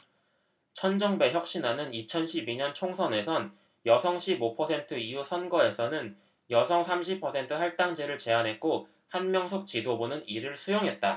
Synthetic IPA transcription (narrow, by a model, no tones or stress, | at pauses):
t͡ɕʰʌnd͡ʑʌŋbe̞çjʌk̚ɕ͈inanɯnit͡ɕʰʌnɕʰibiɲʌnt͡ɕʰoŋsʰʌne̞sʰʌn | jʌsʰʌŋɕʰibopʰʌsʰe̞ntʰɯijusʰʌnɡʌe̞sʰʌnɯn | jʌsʰʌŋsʰamɕʰipʰʌsʰe̞ntʰɯɦaɭt͈aŋd͡ʑeɾɯɭt͡ɕe̞anɦe̞t̚k͈o | hanmjʌŋsʰok̚t͡ɕidobunɯniɾɯɭsʰujoŋɦe̞t̚t͈a